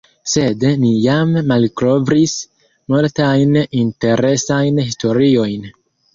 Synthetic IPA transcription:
se̞dnijamːalkɾo̞vɾis | multajninte̞ɾe̞sajnhisto̞ɾio̞jn

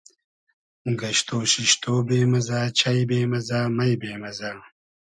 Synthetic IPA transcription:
uɡɐɕt̪oːɕiɕt̪oːbeːmɐzaːt͡ɕʰɐjbeːmɐzaːmɐjbeːmɐzaː

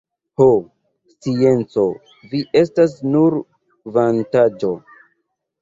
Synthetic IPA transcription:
ho | sie̞nt͡so̞ | viʔe̞stasnuɾ | vantad͡ʒo̞

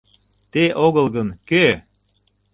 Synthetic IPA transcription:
t̪eʔoɣəlˠɣənkø

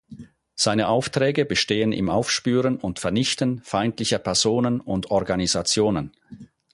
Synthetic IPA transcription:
z̥aɪnəʔaʊftʁ̥ɛːɡəbəʃteːənɪ̰mʔaʊfʃpyːʁənʊntfɛɐnɪçtənfaɪntlɪçɐpʰɛɐz̥oːnənʊndɔʁɡanizat͡sjoːnən

